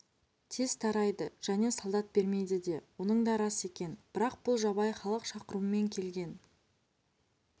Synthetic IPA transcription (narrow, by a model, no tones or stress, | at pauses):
t̪ʰez̥t̪ʰɑɾɑjd̪əʒ̥æne̞sɑlˠd̪ɑt̪̚be̞ɾme̞jd̪ɪd̪e̞wo̞nəɴd̪ɑɾɑse̞kʲe̞nb̥ɪɾɑq̚b̥ʊlˠʒɑβɑjχɑlˠəqʃɑqəɾuəme̞ŋkʲʰe̞lɡʲe̞n